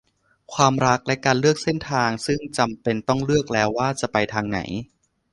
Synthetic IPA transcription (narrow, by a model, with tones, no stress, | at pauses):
kʰwaː˧mɾa˦˥k̚lɛ˦˥kaː˧nlɯ˥˩ək̚se˥˩nt̪ʰaː˧ŋsɯ˥˩ŋt͡ɕa˧mpe˧nt̪ɔ˥˩ŋlɯ˥˩ək̚lɛː˦˥wːaː˥˩t͡ɕa˨˩pa˧jt̪ʰaː˧ŋna̰˩˦j